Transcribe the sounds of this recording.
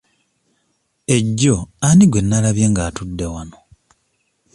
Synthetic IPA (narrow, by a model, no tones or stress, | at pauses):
e̞ɟːoaniɡwe̞nːalaβjeːŋɡaːtudːe̞wano